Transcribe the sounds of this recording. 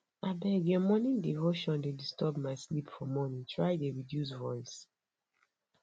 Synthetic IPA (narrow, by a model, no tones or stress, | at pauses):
abɛɡɔmɔnĩndivoʃɔ̃ndedistʰɔbmaɪslipfɔmɔnĩntʰɹajdeɹidjus̬vɔɪs